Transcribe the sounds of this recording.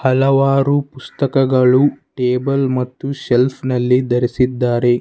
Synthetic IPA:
hɐlɐʋaːɾupust̪ɐkɐɡɐɭuʈeːbɐlmɐt̪ːuʃelpʰnɐlːid̪ɐɾisid̪ːaːɾe̞

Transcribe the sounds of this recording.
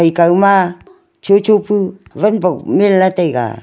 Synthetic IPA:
ajkawma | t͡ʃot͡ʃopuvanpakmelnatajɡa̰

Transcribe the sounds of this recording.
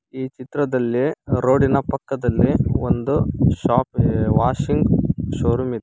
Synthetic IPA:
iːt͡ʃit̪ɾɐd̪ɐlːiɾoːɽinɐpɐkːɐd̪ɐlːiond̪uʃaːpʋaːʃiŋɡʃoːɾumid̪

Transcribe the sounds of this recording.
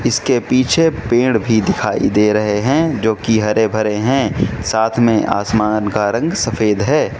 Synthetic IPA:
ɪskepiːt͡ʃʰepẽːɽbʱid̪ɪkʰaːḭd̪eːɾɐɦeɦɛ̃d͡ʒoːkiɦɐɾebʱɐɾeɦɛ̃saːt̪ʰmẽʔa̰ːsmaːnkaɾɐ̃ŋɡsɐfʰeːd̪ɦɛː

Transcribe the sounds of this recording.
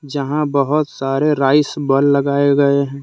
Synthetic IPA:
d͡ʒɐɦãbəɦʊt̪saːɾeɾaːɪsbəlːɐɡaːeɡɐeɦɛ̃ː

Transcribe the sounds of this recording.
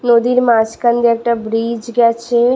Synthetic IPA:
noːd̪iːɾmaːt͡ʃkənd̪ək̚ʈabɾiːd͡ʒɡat͡ʃʰe

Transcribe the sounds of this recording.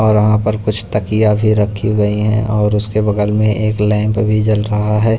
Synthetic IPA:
ɔːɾʋɐɦãpɐɾkʊt͡ʃʰt̪ɐkijabʱiɾɐkʰiɡɐiɦɛ̰̃ʔɔːɾʊskebɐɡəlmẽʔeːklɛ̃ːmpbʱid͡ʒɐlɾɐɦaɦɛː

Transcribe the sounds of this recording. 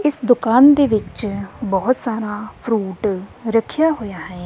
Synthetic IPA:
ɪsd̪ʊkaːnd̪eːʋɪt͡ʃbɔɦʊt̪saːɾaːpʰɾuːʈɾəkʰɪjaːɦoːjaːɦɛ̃ː

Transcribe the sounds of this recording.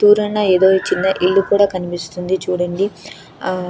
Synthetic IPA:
t̪uːɾɐɳːɐeːd̪oːt͡ʃːinːɐʔiɭːukuːɽaːkɐnipist̪und̪it͡ʃuːɽɐɳɖi

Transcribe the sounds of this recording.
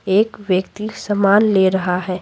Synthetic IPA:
eːkʋjəkt̪isɐmaːnleːɾɐɦaɦɛː

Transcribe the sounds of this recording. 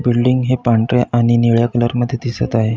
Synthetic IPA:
bilɖiŋɡɦepãɳʈɾjeʔaɽ̃iniɭjakələɾməd̪ʱːjed̪isət̪aɦe

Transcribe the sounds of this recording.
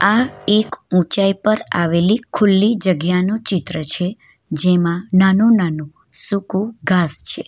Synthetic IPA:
aekũt͡ʃaipəɾa̰ʋelikʰʊlːid͡ʒəɡjanũt͡ʃɪt̪ɾət͡ʃʰe | d͡ʒemãnanũnanũ | sukuɡʱast͡ʃʰe

